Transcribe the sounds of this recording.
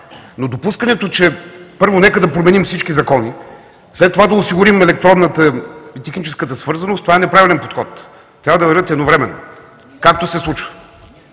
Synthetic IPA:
nod̪opuskənɛt̪ot͡ʃɛpɤɾvonɛkəd̪ɐpɾomɛnimfsit͡ʃkizɐkɔni | slɛt̪ːovad̪ɐosiɡʊɾimɛlɛk̚t̪ɾɔnnət̪əit̪ɛxnit͡ʃɛskət̪əsvɤɾzɐnost̪ovaɛnɛpɾavilɛnpot̪xɔt̪ | t̪ːɾavəd̪ɐvɐɾət̪ɛd̪novɾɛmɛnːo̰ | kak̚t̪osɛslˠut͡ʃvə̥

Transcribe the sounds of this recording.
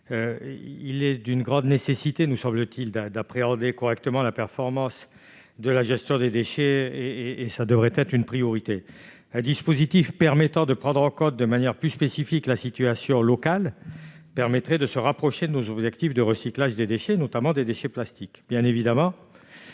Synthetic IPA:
øilɛd̪ynɡʁɑ̃d̪nesesit̪enəsɑ̃blət̪ild̪d̪apχeɑ̃d̪ekɔʁɛk̚t̪əmɑ̃lapɛʁfɔʁmɑ̃s | d̪əlaʒɛst̪jɔ̃d̪ed̪eʃeeːsad̪əvʁɛt̪ɛt̪χynpχijɔʁit̪e | ɛ̃d̪ispozit̪ifpɛʁmɛt̪ɑ̃d̪əpχɑ̃d̪ʁɑ̃kɔ̃t̪̚d̪əmanjɛʁplyspesifiklasit̪yasjɔ̃lɔkalpɛʁmɛt̪χɛd̪əsəʁapχɔʃed̪ənozɔbʒɛkt̪ifd̪əʁəsiklaʒd̪ed̪eʃenɔt̪amɑ̃d̪ed̪eʃeplast̪ikbjɛ̃nevid̪amɑ̃

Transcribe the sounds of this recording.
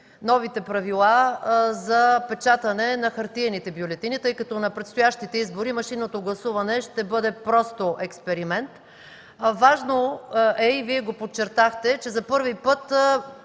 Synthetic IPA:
nɔvit̪ɛpɾɐvilˠazɐpɛt͡ʃat̪ɐnɛnɐxɐɾt̪iɛnit̪ɛbjolɛt̪init̪ɤjkɐt̪ɔnɐpɾɛt̪st̪ʊjaʃt̪it̪ɛizboɾimɐʃinot̪oɡlˠɐsuvɐnɛʃt̪ɛbɤd̪ɛpɾɔst̪oʔɛkspɛɾimɛnt̪ | vaʒnoɛiviɛɡopott͡ʃːɛɾt̪axt̪ɛt͡ʃɛzɐpɤɾvipɤt̪

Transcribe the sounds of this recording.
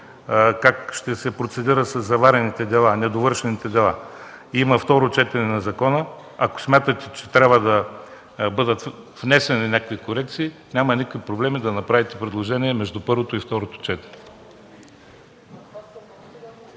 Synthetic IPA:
kakʃt̪ɛsɛpɾot̪sɛd̪iɾət̪sɐzːɐvaɾɛnit̪ɛd̪ɛlˠanɛd̪ovɤɾʃɛnit̪ɛd̪ɛlˠa | iməft̪ɔɾot͡ʃɛt̪ɛnɛnɐzɐkɔnə | ɐko̥smʲjat̪ət̪ɛt͡ʃɛ̥t̪ɾʲabvəd̪ɐ | bɤd̪ət̪ | vnɛsɛninʲakvikoɾɛk̚t̪siːnʲamɐnikovipɾoblɛmid̪ɐnɐpɾavit̪ɛpɾɛd̪lˠoʒɛniɛmɛʒd̪upɤɾvot̪oift̪ɔɾot̪o̥t͡ʃɛt̪ɛ̥nɛɛ

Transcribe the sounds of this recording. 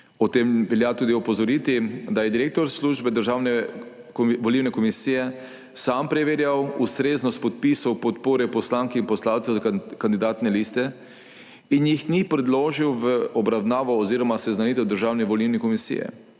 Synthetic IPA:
ɔt̪emʋɛljat̪uːd̪iɔpɔzɔɾit̪id̪ajɛd̪iɾek̚t̪ɔɾsluʒbɛd̪əɾʒaːwnɛ | ʋɔliːwnɛkɔmisiːjɛ | sampɾɛʋeːɾjawust̪ɾeːznɔst̪pɔt̪̚pisɔwpɔt̪poːɾɛpɔslaːŋkɛinpɔslawt̪sɛwzakand̪id̪aːt̪nɛlist̪ɛ | injixnipɾɛd̪loːʒiwʋəɔbɾawnaːʋɔːziɾɔmasɛznanit̪ɛwd̪əɾʒawnɛʋɔliwnɛkɔmisḭjɛ̰

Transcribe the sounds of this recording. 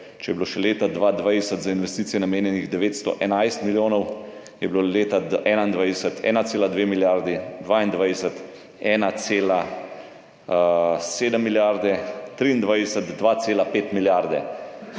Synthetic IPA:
t͡ʃɛjɛbiloʃɛleːt̪ad̪ʋaːd̪ʋajsət̪zainʋɛst̪iːt̪sijɛnameːnjɛniɣd̪ɛʋeːt̪st̪ɔ̰ʔɛnajst̪miljoːnɔw | jɛbiloleːt̪aɛːnaind̪ʋajsət̪ʰɛ̰ːnat̪seːlad̪ʋeːmiljaɾd̪id̪ʋaːind̪ʋajsət̪ | ɛːnat̪seːla | seːd̪əmːiljaɾd̪ɛt̪ɾiːnd̪ʋajsət̪d̪ʋat̪seːlapeːt̪miljaɾd̪ɛ̰

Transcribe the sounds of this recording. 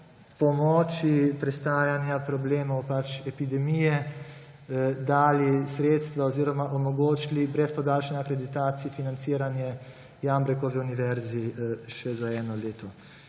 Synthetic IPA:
pɔmɔːt͡ʃipɾɛst̪aːjanjapɾɔbleːmɔwpat͡ʃɛpid̪ɛmijɛ | d̪aːlisɾeːt̪st̪ʋaoziːɾɔmaʔɔmɔɡoːt͡ʃilibɾɛspɔd̪aːlʃanakɾɛd̪it̪aːt̪sifinant̪siːɾanjɛ | jambɾɛkɔʋiuniʋɛɾziʃɛzaɛːnɔleːt̪ɔ

